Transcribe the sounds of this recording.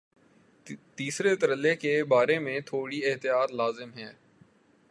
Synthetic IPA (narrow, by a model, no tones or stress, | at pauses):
t̪iːsɾet̪əɾəlːekebaːɾemẽt̪ʰoːɽiɪɦt̪ijaːt̪laːzɪmɦɛ̃ː